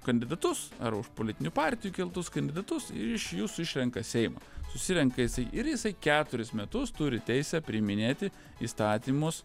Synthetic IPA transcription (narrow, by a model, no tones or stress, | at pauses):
kɐnʲd̪ʲɪd̪ɐt̪ʊsɐ̰ɾʊʃpolʲɪt̪ʲɪnʲupɑːɾʲt̪ʲɪjuːkʲɪlˠt̪ʊskɐnʲd̪ʲɪd̪ɐt̪ʊsɪɪʃjuːsʊɪʃʲɾʲɛŋkɐsʲɛɪmɐ̰ːsʊsʲɪɾʲɛŋkɐjɪsɐɪʔɪɾjɪsɐɪkʲæːt̪ʊɾʲɪsmʲɛt̪ʊst̪ʊɾʲɪt̪ʲɛɪsʲɛpʲɾʲɪmʲɪnʲeːt̪ʲɪ | ḭːst̪ɑːt̪ʲiːmʊs